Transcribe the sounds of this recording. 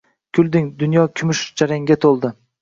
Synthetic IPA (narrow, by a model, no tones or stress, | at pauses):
kʲʰʊlˠd̪ɪŋd̪ʊnjɒkʲʰʊmʊʃd͡ʒaɾaŋɡʲat̪ʰolˠd̪ɪ